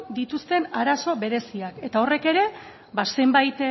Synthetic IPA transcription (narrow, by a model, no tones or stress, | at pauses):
d̪it̪ust̪e̞naɾaso̞βe̞ɾe̞siake̞t̪ao̞re̞ke̞ɾe̞ | base̞mbajt̪